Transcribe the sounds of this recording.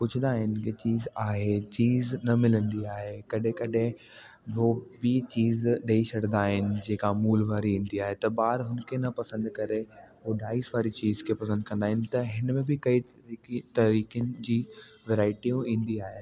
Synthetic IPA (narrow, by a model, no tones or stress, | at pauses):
pʊd͡ʑʰnd̪aːɦɪnɪ̆ket͡ɕiːzaːɦet͡ɕiːznɐmɪlə̃nd̪iaːɦekɐɗɦẽkɐɗɦẽ | ɦobɪt͡ɕiːzɗɐit͡ɕʰɐɽ̤nd̪aːɦɪnɪ̆d͡ʑeːkamuːlʋaːɾiĩːn̆d̪iaːɦet̪ɐbaːɾɦʊnkʰenɐpɐsə̃nd̪kɐɾeɦoɖaːisʋaːɾit͡ɕiːzkʰepɐsə̃nd̪̚kɐ̃nd̪aːɦɪnɪ̆t̪ɐɦɪnmẽbɪkɐi | t̪ɐɾiːkijənɪ̆d͡ʑiːʋɛɾaːɪʈiũĩːn̆d̪iaːɦe